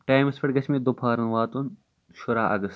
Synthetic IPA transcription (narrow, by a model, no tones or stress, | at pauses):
ʈaːjmɐspɐɽɡɐsʰmẽd̪opʰaːɾɐnʋaːt̪un | ʃʊɾaːʔɐ̰ɡɐst̪